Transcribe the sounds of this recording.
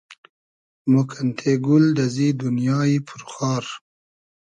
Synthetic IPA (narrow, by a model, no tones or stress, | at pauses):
mokʰant̪ʰeɡuld̪azid̪unjɑːipʰuɾxɑːɾ